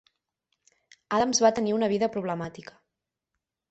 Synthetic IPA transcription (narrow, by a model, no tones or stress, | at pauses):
aðəmzβat̪əniunəβ̞iðəpɾuβ̞ləmat̪ikə̥